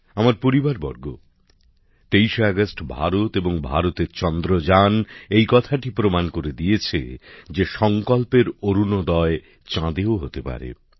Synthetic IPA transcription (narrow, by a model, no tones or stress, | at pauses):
amaɾpoɾibaɾbɔ̰ɾɡo̰ | t̪ejʃeaɡasʈbʱa̰ɾot̪eboŋbʱa̰ɾot̪eɾt͡ɕɔnd̪ɾod͡ʑanejkɔt̪ʰaʈipɾomankoɾed̪ijet͡ɕʰḛd͡ʑeʃɔŋkɔlpeɾoɾunod̪ɔe | t͡ɕãd̪eoɦot̪epa̰ɾḛ